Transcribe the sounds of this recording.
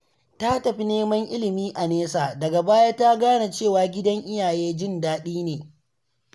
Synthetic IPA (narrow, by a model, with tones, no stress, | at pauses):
ta˦tɐ˨ɸi˦neː˦mɐ˦ŋʔɪ̰˦lɪ˨miː˦ʔa˨neː˦saː˨dɐ˨ɡa˨baː˦jaː˦ta˦ɡaː˦na˨t͡ʃeː˦˨waː˨ɡʲɪ˦dɐ˦ŋʔɪ˦jaː˨jeː˦d͡ʒɪ˦˨ndaː˦ɗiː˦neː˨